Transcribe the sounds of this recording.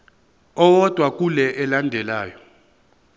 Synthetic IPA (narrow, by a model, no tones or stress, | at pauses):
ɔwɔd̥ʱwak̬ʼulɛʔɛlandʱɛlaːjɔ